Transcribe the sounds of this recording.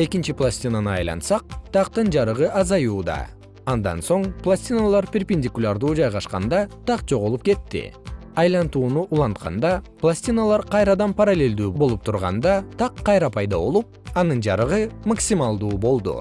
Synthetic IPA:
e̞kint͡ʃiplˠasʲt̪ʲinanɯɑ̰jlˠɑ̰nt̪sɑq̚t̪ʰɑqt̪ɯnd͡ʒɑɾɯʁɯʔɑzɑjuːd̪ɑ̰ | ɑnd̪ɑ̰nso̞ɴplˠasʲt̪ʲinalˠɑɾpʲerpʲenʲdʲikulʲaɾd̪uːd͡ʒɑjʁɑʃqɑnd̪ɑt̪ɑqd͡ʒo̞ʁolˠup̚ke̞t̪ːḭɑjlˠɑnt̪uːnuʔulˠɑnt̪̚qɑ̰nd̪ɑplˠasʲt̪ʲinalˠɑɾqɑjɾɑd̪ɑnpaɾalʲe̞ld̪yːbo̞lˠup̚t̪ʰuɾʁɑ̰nd̪ɑt̪ʰɑqʰːɑjɾɑpʰɑjd̪ɑβo̞̰lˠup̚ɑnɯnd͡ʒɑɾɯʁɯmaksʲimɑlˠd̪uːbo̞lˠd̪ṵ

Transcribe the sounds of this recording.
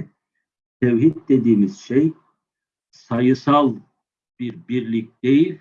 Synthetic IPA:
t̪ʰɛwhid̪̚d̪ed̪iːmiz̥ʃej | sajɯsalˠ | b̥iɾbiɾlʲik̚ʲd̪̥ejilʲ

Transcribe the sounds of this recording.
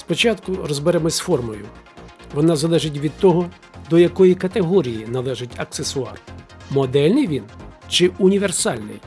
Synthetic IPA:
spɔt͡ʃɑt̪kʊɾɔzbeɾɛmɔsʲfɔrmɔjʊ̰ʋɔnɑzɐlˠɛʒɪt̬ʲʋʲid̪̚t̪ɔɦɔ | d̪ɔjɐkɔjikɐt̪eɦɔɾʲijinɐlˠɛʒɪtʲɐksesʊɑ̰rmɔd̪ɛlʲnɪjʋʲint͡ʃɪʔunʲiʋe̞rsɑlʲnɪ̰j

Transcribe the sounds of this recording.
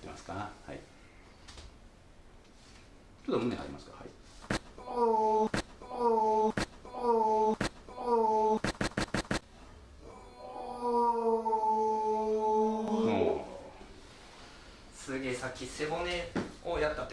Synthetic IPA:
t̪ːḛmasɨ̥kaha̰ḭ | t͡ɕot̪omɯ̃neha̰ɾḭmasɨ̥kaha̰ḭ | sɨɡesakʲːise̞moneojat̪ːat̪ː

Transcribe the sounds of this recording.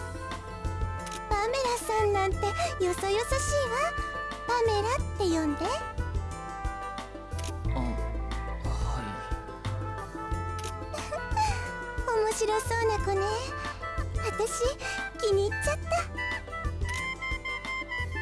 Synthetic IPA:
b̥ame̞ɾasãnːãnt̪e̞jo̞so̞jo̞saɕiːβa | b̥ame̞ɾat̪ːe̞jõ̞nd̪e̞ | o | omoɕiɾo̞so̞ːnako̞ne | βat̪aɕikʲiɲ̟iːt͡ɕːat̪ːa

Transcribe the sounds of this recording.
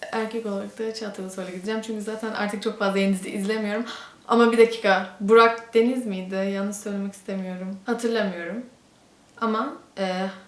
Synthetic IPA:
æɾcʰɛko̞aɾak̚t̪ʰat͡ʃʰaːt̪ʰːɯɾlˠaso̞jlʲˠaɟid̪id͡ʒæmt͡ʃʰyɲcyzaːt̪ʰænʔa̰ɾt̪ʰɯk̚t͡ʃʰo̞kfazlˠaenizliʔizlʲe̞mijo̞ɾum | a̰mabid̪acʰiːkʰabuɾak̚d̪e̞nizmijd̪ɪjannːɯzsø̞jlʲemɛcʰist̪ʰe̞mijo̞ɾumhat̪ʰɯɾlˠamɯjo̞ɾum | amaɛː

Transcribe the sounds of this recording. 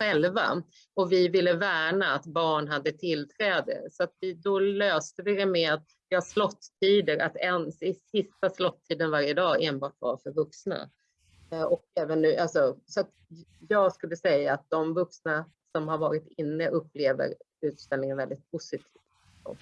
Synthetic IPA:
ɧɛlva̰ | ɔvɪvɪlːəvæːɳaːt̪bɑːɳɦad̪ːət̪ʰɪlːt̪ʰɾɛːd̪ə̰sɔat̪vɪd̪ɔløːst̪əvɪɾɛmɛat̪ | vɪhaʂlɔt̪ʰːiːd̪əɾa̰t̪ɛnsɪsɪst̪aslɔt̪ʰːiːd̪ənvaɾjəd̪ɑːeːnbɑːʈva̰ɾfœɾvɵksna̰ | ɔkɛːvənːʉ̟ːʔals̬ɔsɔat̪ | jɑːɡskɵlːəsɛjːaːt̪̚d̪ɔmvɵksna | sɔmhaɾvɑːɾɪt̪ɪnːəʔɵpːleːvə̰ɾ | ʉ̟ːt̪st̪ɛlnɪŋənvɛld̪ɪt̪̚pʰʊsɪt̪ʰi̥ːft̪ | o̰

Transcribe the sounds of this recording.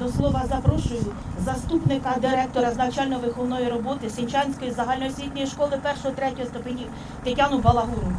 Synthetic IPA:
ɔslˠɔʋɐzɐpɾɔʃʊjʊzɐst̪upnɪkɐd̪ɪɾɛk̚t̪ɔɾɐznɐt͡ʃɑlʲnɔɔʋɪxɔlnɔjiɾɔbɔt̪ɪsʲenʲt͡ʃɑnʲsʲkɔjizɐɦɑlʲnɔjisʲʋʲit̪nɔjiʃkɔlˠɪpɛrʃɔɦɔt̪ɾɛtʲɔɦɔst̪ʊpɪnʲi | t̪etʲɑnʊbɐlˠɐɦuɾʊ

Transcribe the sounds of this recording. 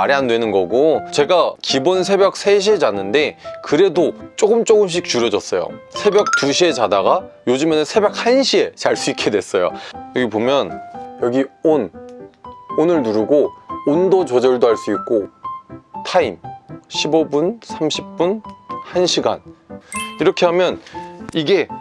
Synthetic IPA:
aɾiɦandwe̞nɯnɡʌɡot͡ɕe̞ɡakibonsʰe̞bjʌk̚sʰeɕ̬ʰied͡ʑanːɯnde̞kɯɾe̞dot͡ɕ͈oɡɯmt͡ɕ͈oɡɯmɕ̬ʰik̚t͡ɕuɾjʌd͡ʑʌs͈ʌjo̰sʰe̞bjʌk̚t͈uɕʰie̞d͡ʑadaɡajod͡ʑumenɯnsʰe̞bjʌk̚hanɕʰie̞t͡ɕaɭs͈uik͈edwe̞s͈ʌjo̰jʌɡipomjʌnjʌɡion | onɯɭnuɾuɡoondot͡ɕʌd͡ʑʌɭdoɦaɭs͈uik̚k͈o | tʰaimɕʰibobunsʰamɕʰip̚p͈unhanɕʰiɡa̰n | iɾʌkʰe̞ɦamjʌniɡe̞

